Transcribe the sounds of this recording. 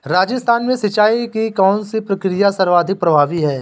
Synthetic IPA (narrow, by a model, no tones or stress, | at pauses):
ɾaːd͡ʒəst̪ʰaːnmẽsɐt͡ʃːaːikikɔːnsipɾɐkɾijasɐɾʋaːd̪ʱɪk̚pɾɐbʱaːʋiɦɛː